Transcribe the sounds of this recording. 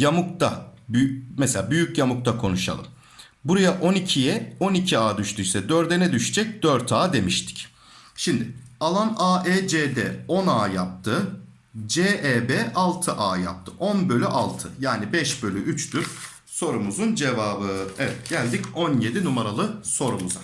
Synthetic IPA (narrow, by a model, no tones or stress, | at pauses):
jamuk̚t̪ʰabymɛselʲaːbyjycjamuk̚t̪ʰakʰo̞nuʃa̰lˠɯ̰m | buɾajaʔo̞nicʰijɛo̞nicʰiaːd̪yʃt̪ʰyjsɛd̪øɾd̪ɛnɛd̪yʃɛd͡ʒɛc̚d̪øɾt̪ʰaːd̪e̞miʃt̪ʰi̥c | ʃimd̪ɪalˠanaːʔɛːd͡ʒeːd̪ɛ̰o̞naːjap̚t̪ʰɯ | d͡ʒeːʔɛːbɛːʔalˠt̪ʰɯʔaːja̰p̚t̪ʰɯʔonbø̞lʲyʔalˠt̪ʰɯjaːnibɛʃbø̞lʲyʔyt͡ʃd̪yɾ | so̞ɾumuzund͡ʒe̞vaːbɯɛvɛt̪ɟ̥ælʲd̪ico̞nje̞d̪inumaɾalˠɯso̞ɾumuza